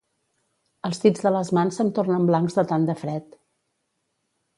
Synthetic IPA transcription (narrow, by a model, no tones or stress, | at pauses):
əlˠst̪id͡zðələzmansənt̪ornəmblaŋzðət̪and̪əfɾɛt̪